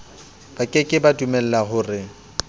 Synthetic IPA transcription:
b̥akʼɪkʼɪbadumɛl̩lahʊːrɪ

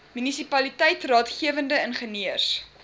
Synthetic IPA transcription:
mynisipɐlitɛjtrɑːtχiəvəndəənχəniərs

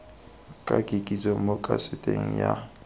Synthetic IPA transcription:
kʼakʼikʼit͡sʼɔmokʼasɪtʼeŋ̩ja

